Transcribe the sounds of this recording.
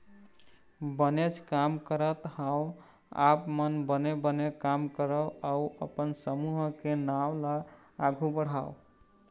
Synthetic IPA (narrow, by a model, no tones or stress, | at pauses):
bənet͡ʃʰkamkəɾət̪hãw | a̰pmənbənebənekamkəɾəwauəpənsəmuɦkenawla | aɡʱubəɽ̤aw